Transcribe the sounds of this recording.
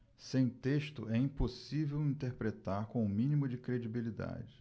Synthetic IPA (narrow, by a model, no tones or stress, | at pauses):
sẽj̃t̪eʃt̪ʊ̰ɛĩposivewĩt̪eɾpɾet̪aɾkõʊmĩnimʊd͡ʒɪkɾed͡ʒibilid̪a̰d͡ʒɪ